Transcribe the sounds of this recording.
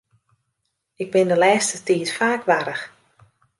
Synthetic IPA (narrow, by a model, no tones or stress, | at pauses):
ɪɡ̚bɪndəlɛːstətiːtfaːkʋaɾəx